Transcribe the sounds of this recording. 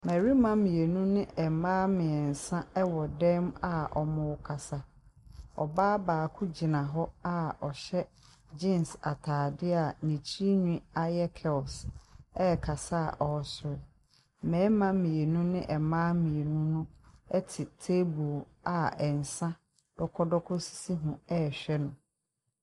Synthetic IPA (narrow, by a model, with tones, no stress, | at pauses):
mɛ˨ɾi˦mã˦mĩ˨e˨nũ˦nɪ̃˦ɛ˨mãː˦mɪ̃˨ɛ˨n˨sã˦ɛ˦wɔ˨dɛ̃˦ma˨ʔɔ̰˨mʊ̃˨wkʰa˨sa˦ | ɔ̰˨baː˦baː˨kʰʊ˦d͡ʑi˨nã˨ɦɔ˦a˦ɔ˨ɕɛ˦ | d͡ʑĩ˦˨nsa˨tʰaː˨dɪ˦a˨nĩ˨t͡ɕʰi˦ɲᶣĩ˦a˦jɛ˦kʰɛ˨lsɛ˦˨kʰa˨sa˦a˨ʔɔ˨sʊ˨ɾɪ˨ | mɛ̃ː˨˦mã˦mĩ˨e˨nũ˦nɪ̃˦ʔɛ˨mãː˦mĩ˨e˨nũ˦nʊ̃˦ɛ˦tʰɪ˨tʰe˦bu˨l | a˨ɛ˨n̩˨sã˦ | d̥ɔ˦kʰɔ˦dɔ˦kʰɔ˦si̥˦si˦ɦũ˨ɛ˦˨ɕᶣɛ˦nʊ̃˨